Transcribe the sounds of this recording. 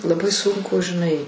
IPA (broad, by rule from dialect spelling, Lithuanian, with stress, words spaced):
lˠɐˈbɐɪ ˈsʊŋkʊ ʒʲɪˈnɐɪ